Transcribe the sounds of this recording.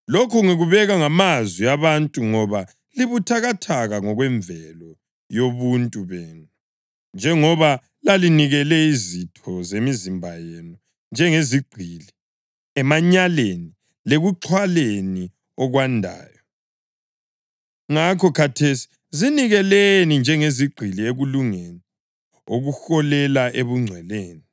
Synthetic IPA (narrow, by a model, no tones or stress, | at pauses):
lokʰɔŋiɣuβɛɣaŋamazwiaβantʼuŋɔβa | liβutʰaɣatʰaɣaŋɔɣwɛɱvɛlɔ | joβuntʼuβɛːnu | nd͡ʒʱɛŋɔβa | laliniɣɛlɛizitʰɔzemizimbʱajeːnu | nd͡ʒʱɛŋeziɡ͡ǀʱili | ɛmaɲaleni | leɣuǁʰwaleni | ɔɣwandʱa̰ːjɔ | ŋakʰɔkʰatʰesi̥ | ziniɣɛlenind͡ʒʱɛŋeziɡ͡ǀʱilieɣuluŋeni | o̰ɣuxɔlɛlaʔeβuŋ͡ǀʱwɛleːni